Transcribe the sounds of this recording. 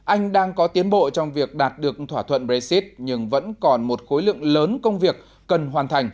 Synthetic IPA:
ʔa˧jŋ̟ɗaː˧ŋkɔ˨˦t̪i˨˦ənɓo̰˧˨t͡ɕɔ˧wŋ͡mvi˨˩ək̚ɗaː˨˩t̚ɗɨ˨˩ək̚t̪ʰwaː˧˩t̪ʰwə̰˧˨nbɹɛ˧si˦˥t̚ɲɨ˧ŋvə̰˧˥nkɔ˨˩nmo˨˩t̚xo˨˦jlɨ̰˧˨əŋləː˨˦nkə˧wŋ͡mvi˨˩ək̚ːə˨˩nɦwaː˨˩nt̪ʰa˨˩jŋ̟

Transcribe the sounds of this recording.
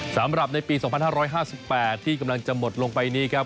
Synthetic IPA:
sa˩˦mɾa˨˩p̚na˧jpiː˧sɔ˨˩˦ŋpa˧nhaː˥˩ɾɔː˦˥jɦaː˥˩si˨˩pːɛː˨˩t̪ʰːiː˥˩ka˧mla˧ŋt͡ɕa˨˩mo˨˩t̪̚lo˧ŋpa˧jniː˦˥˩kʰɾa˦˥p̚

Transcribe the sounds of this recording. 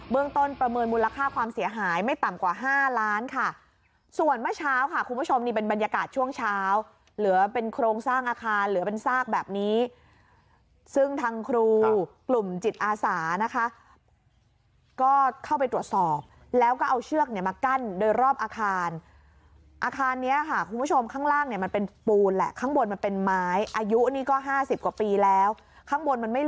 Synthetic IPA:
bɯ˥˩əŋt̪o˥˩npɾa˧mɤː˧nmuː˧la˧kʰaː˥˩kʰwaː˧msi˩˦ɐɦaː˩˦jma˥˩jt̪a˨˩mkwaː˨˩ɦaː˥˩laː˦˥nkʰa˥˩ | su˨˩ənmɯ˥˩t͡ɕʰaː˦˥wkʰa˥˩kʰu˧nbu˥˩t͡ɕʰo˧mniː˥˩pe˧nba˧nja˧kaː˨˩t̪̚t͡ɕʰu˥˩əŋt͡ɕʰaː˦˥w | lɯ˩˦ɐpe˧nkʰɾoː˧ŋsaː˥˩ŋʔaː˧kʰaː˧nlɯː˩˦pe˧nsaː˥˩k̚bɛː˨˩p̚niː˦˥ | sɯ˥˩ŋt̪ʰaː˧ŋkʰɾuː˧klu˨˩mt͡ɕi˨˩t̪̚ʔaː˧saː˩˦na˦˥kʰa˦˥ | kɔː˥˩kʰa˥˩wp̬a˧jt̪ɾu˨˩ət̪̚sɔː˨˩p̚ | lɛː˦˥wkɔː˥˩ʔa˧wt͡ɕʰɯ˥˩ək̚ni˥˩ɐmaː˧ka˥˩ndoː˧jɾɔː˥˩p̚ʔaː˧kʰaː˧n | ʔaː˧kʰaː˧nːi˦˥ɐkʰa˥˩kʰu˧mbʰo˧mkʰaː˥˩ŋɾaː˥˩ŋni˥˩ɐma˧npe˧npuː˧nlɛ̰˨˩kʰaː˥˩ŋbo˧nma˧npe˧nmaː˦˥jʔaː˧ju˦˥ʔniː˦˥kɔː˥˩ɦaː˥˩si˨˩p̚kwa˨˩piː˧lɛː˦˥w | kʰa˥˩ŋbo˧nma˧nma˥˩j

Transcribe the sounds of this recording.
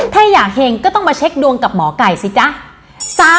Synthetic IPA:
t̪ʰaː˥˩jaː˨˩k̚heː˧ŋkɔː˥˩t̪ɔ˥˩maː˧t͡ɕʰe˦˥k̚du˧əŋka˨˩p̚mɔː˩˦ka˨˩jsi˨˦t͡ɕa˦˥ʔ | saː˦˥

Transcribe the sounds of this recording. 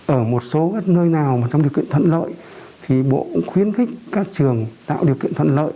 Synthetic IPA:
ʔəː˧˩mo˨˩t̚so˨˦ɣə˦˥t̚nəː˧jnaː˨˩wmaː˨˩t͡ɕɔ˧wŋ͡mɗi˨˩əwkḭ˧˨ənt̪ʰwə̰˧˨nlə̰ː˧˨j | t̪ʰi˨˩ɓo̰˧˨xwi˧˦ənxi˦˥k̟̚kaː˦˥k̚t͡ɕɨ˨˩əŋt̪a̰ː˧˨wɗi˨˩əwkḭ˧˨ənt̪ʰə˧˨nlə̰ː˧˨j

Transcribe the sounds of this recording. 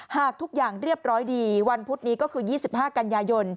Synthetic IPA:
haː˨˩k̚t̪ʰu˦˥k̚jaː˨˩ŋɾi˥˩əp̚ɾɔː˦˥jdiː˧wa˧npʰu˦˥t̪̚niː˦˥kɔː˥˩kʰɯː˧jiː˥˩si˨˩p̚haː˥˩ka˧njaː˧jo˧n

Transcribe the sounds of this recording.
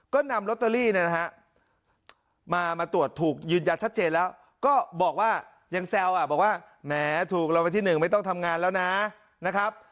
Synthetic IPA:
kɔː˥˩na˧mɾo˦˥t̪̚ːa˧liː˥˩ni˥˩na˦˥ɦa˦˥ʔ | maː˧maː˧t̪u˨˩ət̪ʰːuː˨˩k̚jɯː˧nja˧t͡ɕʰa˦˥t̪̚t͡ɕeː˧nlɛː˦˥w | kɔː˥˩bɔː˨˩k̚waː˥˩ | ja˧ŋsɛ˧wʔa˨˩bɔː˨˩k̚waː˥˩ | mɛː˦˥t̪ʰuː˨˩k̚la˧wpa˧t̪ʰiː˥˩nɯ˨˩ŋma˥˩jt̪ɔ˥˩ŋt̪ʰa˧mŋaː˧nlɛː˦˥wna˦˥ | na˦˥kʰɾa˦˥p̚

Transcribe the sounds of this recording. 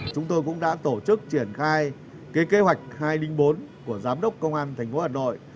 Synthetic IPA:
t͡ɕʊ˨˦ŋ͡mt̪o˧jkʊ̰˧˥ŋ͡mɗa̰ː˧˥t̪o˧˩t͡ɕɨ˦˥k̚t͡ɕi˧˩ənxaː˧j | ke˨˦ke˨˦ɦwa˨˩jk̟̚haː˧jlï˧ŋ̟ɓo˨˦nku˧˩əzaː˨˦mɗə˦˥wk͡p̚kə˧wŋ͡mʔaː˧nt̪ʰɛ˨˩ŋ̟fo˨˦waː˨˩no̰˧˨j

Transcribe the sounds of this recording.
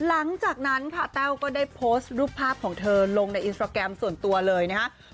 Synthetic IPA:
la˩˦ŋt͡ɕaː˨˩k̚na˦˥nkʰa˥˩t̪ɛː˥˩wkɔː˥˩daː˥˩jpʰoː˦˥st̪̚ɾuː˥˩pʰːaː˥˩p̚kʰɔː˩˦ŋt̪ʰɤː˧lo˧ŋna˧jʔi˧sʰaː˧kɾɛ˧msu˨˩ənt̪u˧ɐlɤː˧jna˦˥kʰa˦˥

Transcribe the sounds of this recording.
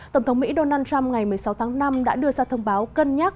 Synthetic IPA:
t̪ə˧˩wŋ͡mt̪ʰə˨˦wŋ͡mmḭ˧˥ɗo˧naː˧nt͡ɕa˧mŋa˨˩jmɨ˨˩əjsa˨˦wt̪ʰaː˨˦ŋna˧mɗa̰ː˧˥ɗɨ˧əzaː˧t̪ʰə˧wŋ͡mɓaː˨˦wkə˧nɲa˦˥t̚

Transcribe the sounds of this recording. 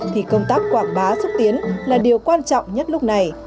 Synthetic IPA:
t̪ʰi˨˩kə˧wŋ͡mt̪aː˦˥k̚kwaː˧˩ŋɓaː˨˦sɨ˦˥k̚t̪i˨˦ənlaː˨˩ɗi˨˩əwkwaː˧nt͡ɕɔ̰˧˨wŋ͡mɲə˦˥t̚lʊ˦˥k͡p̚na˨˩j

